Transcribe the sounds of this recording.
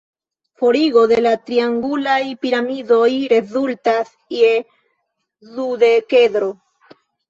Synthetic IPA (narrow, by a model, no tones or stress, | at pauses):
fo̞ɾiɡo̞de̞latɾiaŋɡulajpiɾamido̞jɾe̞zultas | je | zude̞ke̞dɾo̞